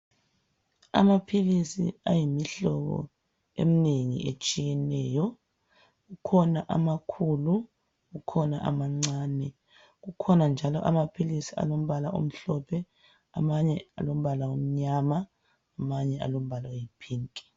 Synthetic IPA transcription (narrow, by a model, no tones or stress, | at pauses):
a̰mapʰilisḭajimiɬɔɣɔ̰ | ḛmineŋḭʔet͡ʃʼijɛnɛːjɔ | ɣukʰɔnaʔamakʰulu | ɣukʰɔna̰ʔamaŋ͡ǀaːnɛ | ɣukʰɔnand͡ʒʱalɔʔamapʰilisia̰lom̩βalaʔo̰m̩ɬɔpʰɛ | amaɲɛa̰lom̩βalaom̩ɲamaː | maɲɛa̰lom̩βalajipʰiːŋkʼi̥